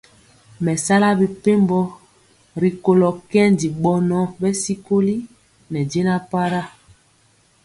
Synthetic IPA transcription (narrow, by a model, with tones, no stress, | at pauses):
mɛ˨sa˦la˦bi˨pe˦mbɔ˦ | ɾi˨ko˨lɔ˨kɛ˦ndi˨ɓɔ˨nɔ˦bɛ˦si˦ko˦li˦ | nɛ˨d͡ʒe˦na˦pa˦ɾa˦